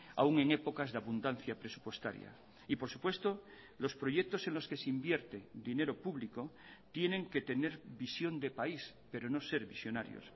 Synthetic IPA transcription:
a̰uŋe̞ŋe̞po̞kazðeaβund̪an̟θjapɾe̞su̥pwe̞st̪a̰ɾja̰ | ipo̞ɾsu̥pwe̞st̪o̞ | lo̞spɾo̞ʝek̚t̪o̞se̞nlo̞skeseimbje̞ɾt̪ed̪ine̞ɾo̞puβliko | t̪je̞nẽ̞ŋke̞t̪e̞ne̞ɾβisjo̞nd̪epais | pe̞ɾo̞no̞se̞ɾβisjonaɾjo̰s

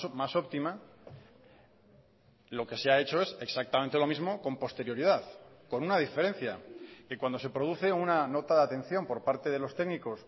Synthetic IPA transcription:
maso̞pt̪ima | lo̞ke̞seae̞t͡ʃo̞e̞se̞ksak̚t̪amẽnt̪e̞lo̞mizmo̞ko̞mpo̞st̪e̞ɾjoɾiðaθko̞nunað̞ife̞ɾe̞nθjake̞kwand̪o̞s̬e̞pɾo̞ð̞uθe̞unano̞t̪aðat̪e̞n̟θjo̞mpo̞ɾpaɾt̪e̞ðe̞lo̞st̪e̞ɡniko̞s

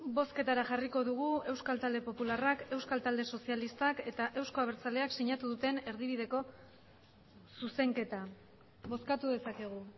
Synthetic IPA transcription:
bo̞ske̞t̪aɾaʝariko̞ðuɣ̞ue̞wskalt̪ald̪e̞po̞pularake̞wskalt̪ald̪e̞so̞sialist̪ake̞t̪aʔe̞wsko̞aβe̞ɾt͡sale̞aksiɲat̪uðut̪e̞ne̞ɾðiβiðe̞ko̞ | suse̞ŋke̞t̪a | βo̞skat̪uðe̞sake̞ɣ̞u

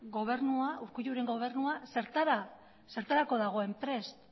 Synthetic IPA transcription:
ɡo̞βe̞ɾnuauɾkuʎuɾe̞ŋɡo̞β̞e̞ɾnuase̞ɾt̪aɾa | se̞ɾt̪aɾako̞ðaɣ̞oe̞mpɾe̞st̪

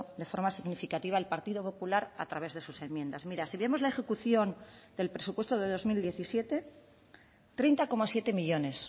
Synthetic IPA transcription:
d̪e̞fo̞ɾmasiɣnifikat̪iβ̞aelpaɾt̪ið̞o̞po̞pulaɾa̰t̪ɾaβ̞e̞zð̞e̞suse̞mːjẽ̞nd̪azmiɾasiβjemo̞zlae̞xe̞kuθjo̞nd̪e̞lpɾesupwe̞st̪oðe̞ðozmild̪je̞θisje̞t̪e̞ | t̪ɾe̞jnt̪ako̞masje̞t̪e̞miʎo̞ne̞s

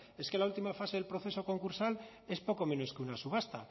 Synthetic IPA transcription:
e̞ske̞lault̪imafase̞ðelpɾoθe̞so̞ko̞ŋkuɾsal | e̞spo̞ko̞mẽ̞no̞skeunasuβ̞ast̪a

